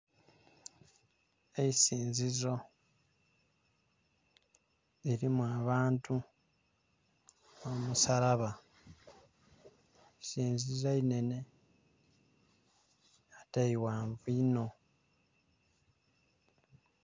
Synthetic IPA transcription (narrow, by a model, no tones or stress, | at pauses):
eisiːnzizo̞ | iɾimuaβaːntu | omusaɾaβa | isiːnzizaine̞ne̞ | ataiwaːɱvuino̞